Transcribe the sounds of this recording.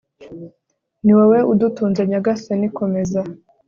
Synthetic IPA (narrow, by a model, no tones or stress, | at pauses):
niweweʔudutuːnd͡ʒeɲaɡasenikome̞za